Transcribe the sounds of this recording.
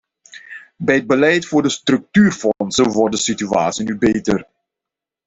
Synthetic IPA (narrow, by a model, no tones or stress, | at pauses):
bɛjəd̚bəlɛjtfʊːɹdəstrɵk̚tyːrfɔnsəʋɔrdəsitya̰ːtsinybejtər